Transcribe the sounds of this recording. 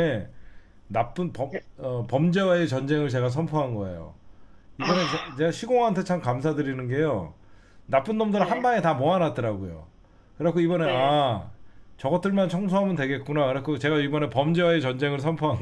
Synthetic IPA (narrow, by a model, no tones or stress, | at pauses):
e | nap͈ɯnpʌʌpʌmd͡ʑe̞waet͡ɕʌnd͡ʑe̞ŋɯɭt͡ɕe̞ɡas̬ʰʌnpʰoɦanɡʌe̞̰jo̰ibʌnet͡ɕt͡ɕeaɕʰiɡoŋɦantʰe̞t͡ɕʰamkamsʰadɯɾinɯnɡe̞jo | nap͈ɯndʌmdɯɾaɦanbaŋetamoanat̚t͈ɯɾaɡojo̰ | kɯɾekʰoibʌne̞a | t͡ɕʌɡʌtʰɯɭmant͡ɕʰʌŋs̬ʰoɦamɯndwe̞ɡe̞t̚k͈unakɯɾekʰot͡ɕe̞ɡaibʌne̞pʌmd͡ʑe̞waet͡ɕʌnd͡ʑe̞ŋɯɭsʰʌnpʰoɦan